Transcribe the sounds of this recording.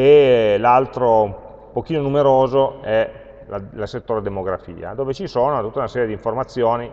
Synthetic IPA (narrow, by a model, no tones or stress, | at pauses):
elalt̪ɾo | pok̟iːnonumeɾoːzoɛ | lalaset̪ːoːɾed̪emoɡɾafḭːa̰d̪oːvet͡ʃisoːnot̪ut̪ːaunasɛːɾjed̪iɱformat̪sːjoːni